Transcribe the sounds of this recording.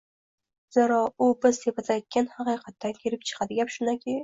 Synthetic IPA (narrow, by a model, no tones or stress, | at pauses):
z̥eɾɒʊbɪz̥t̪epazajt̪̚kʲanhɑqɨjqʰɑt̪ːakʲʰeɾɪp̚t͡ʃʰɨ̥qʰɑd̪ɪɡʲapʃʊnd̪akʲʰe